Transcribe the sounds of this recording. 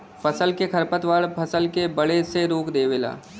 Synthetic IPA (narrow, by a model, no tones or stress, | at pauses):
pɐsəlkekʰɐɾpət̪ʋaːɭpʰɐsəlkebɐɽeseɾoːkd̪eːʋela̰ː